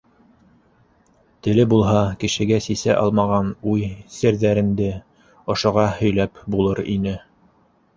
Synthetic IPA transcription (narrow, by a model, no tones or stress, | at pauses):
t̪ɘ̆lɘbulˠɦɑkɘ̆ʃɘ̆ɡæsisæ̰ʔɑ̰lˠmɑʁɑnujsɘ̆ɾðæɾɘ̆nd̪ɘ | ŏʃŏʁɑhɵ̆jlæpbulˠɤɾḭnɘ